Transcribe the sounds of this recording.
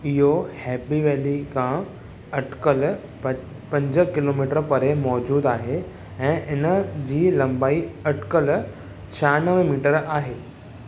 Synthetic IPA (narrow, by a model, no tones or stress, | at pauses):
ɪɦohɛːpiʋeːlikʰã | ɐʈkəl | pɐ̃ɲd͡ʑəkɪloːmiːʈəɾpɐɾemɔːd͡ʑuːd̪aːɦe | ɛ̃ːʔɪnəd͡ʑiːlɐ̃mbaːiɐʈkəl | t͡ɕʰaːnəʋmiːʈəɾaːɦeː